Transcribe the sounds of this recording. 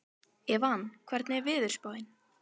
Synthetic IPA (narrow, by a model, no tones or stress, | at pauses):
ɛvaankʰv̥ɛɾt̪nɛvɪːðʏɾ̥spoːðɪn